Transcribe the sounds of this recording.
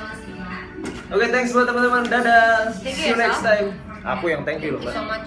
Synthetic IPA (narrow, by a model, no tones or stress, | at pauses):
oket̪ɛŋksmuat̪əmant̪əmandadafunɛkst̪ajm | a̰kujaŋt̪ɛŋkjulɔba